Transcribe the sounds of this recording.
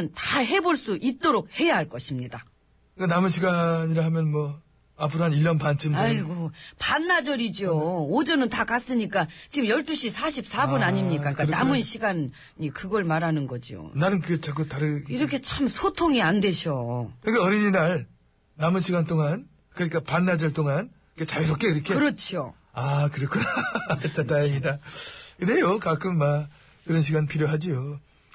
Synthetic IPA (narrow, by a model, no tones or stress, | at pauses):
ɯntaɦe̞boɭs͈uʔit̚t͈oɾok̚he̞jaɦaɭk͈ʌɕʰimɲida | kanamunɕʰiɡaɲiɾɯɭhamjʌnmwʌ | apʰɯɾoɦaniʎːʌnpant͡ɕʰɯmaɲiɡopanːad͡ʑʌɾid͡ʑiood͡ʑʌnɯntakas͈ɯɲik͈at͡ɕiɡɯmjʌɭt͈uɕʰisʰaɕʰip̚s͈ʰabunaɲimɲik͈ak͈anamɯnɕʰiɡan | ikɯɡʌɭmaɾanɯnɡʌd͡ʑio̰nanɯnkɯɡet͡ɕak̬͈utaɾɯiɾʌkʰe̞t͡ɕʰamsʰotʰoŋiande̞ɕʰokɯkaʌɾiɲinaɭ | namɯnɕʰiɡant͈oŋan | kɯɲik͈apanːad͡ʑʌɭt͈oŋan | iket͡ɕaiɾok͈eiɾʌkʰeɯɾʌt͡ɕʰo̰ | akɯɾʌkʰunat͡ɕ͈atajʌɲidakɯɾe̞jokakʰɯmːa | kɯɾʌnɕ̬ʰiɡanpʰiɾjoɦad͡ʑijo